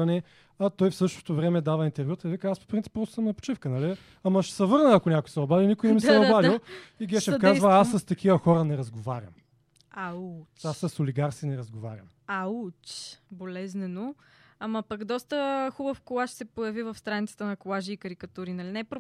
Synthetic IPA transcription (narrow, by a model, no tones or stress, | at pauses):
ɐnɛ | ɐt̪ɔjfsɤʃt̪o̥t̪ovɾɛmɛd̪avɐint̪ɛɾvʲut̪ɐvikəaspo̥pɾint̪i̥pːɾɔst̪ʊsɐmnɐpo̥t͡ʃifkənɐli | ɐmɐʃɛ̥sɐvɤɾnəɐkonʲakojsɛɐbavʲilˠnikojnɛɛmisɛɐbavilˠiɡɛʃɛfkazvɐasːɐst̪ɐkʰivɐxɔɾənɛɾɐzɡovaɾʲə̰m | aasːɐsoliɡaɾsinɛɾɐzɡova̰ɾʲjə̰m | at͡ʃbolɛznɛno | amɐpɐɡd̪ɔst̪əxubəfkolˠaʃsɛpojɐvivɐfst̪ɾanit̪sə̥t̪ənɐkolˠaʒiːkəɾikɐt̪uɾinɐlinɛpɾo